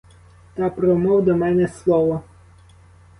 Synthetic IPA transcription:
t̪ɑpɾɔmɔwd̪ɔmɛnɛslˠɔʋɔ

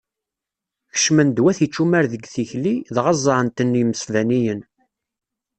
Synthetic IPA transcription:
çə̥ʃmənd̪wæθit͡ʃːumæɾðəɡθiçliðʁɑzˤːɾənt̪ənːjəməsvænijən

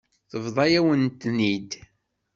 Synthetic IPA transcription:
θəvðˤɑjæwənt̪ːnid̪

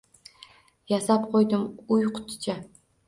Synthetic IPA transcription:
jasapqʰojd̪ɪmʊjqʰʊ̥t̪ʰt͡ʃʰa

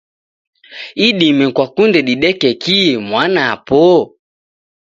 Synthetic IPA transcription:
iɗimɛkwakundɛɗiɗɛkɛkimwanapɔ

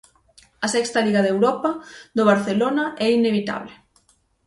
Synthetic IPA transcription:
ɐsɛkst̪ɐliɣɐðewɾɔpɐðoβaɾθelonɐʔɛineβit̪a̰βlɪ

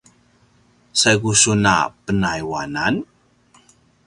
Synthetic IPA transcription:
sajɡusuna̰pənajwanan

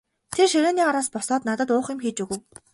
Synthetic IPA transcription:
t̪ʰerʃeɾʲeːniːaɾaːspɔsɔːt̪nat̪ə̆t̪ʊːχɪ̆mxiːt͡ɕuɣɘ̆w

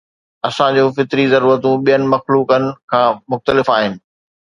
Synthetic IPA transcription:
ɐsãd͡ʑoːfɪt̪ɾizɐɾuːɾət̪ũɓijənɪ̆mɐxluːkənɪ̆kʰãːmʊxt̪əlɪfaːɦɪnɪ̆

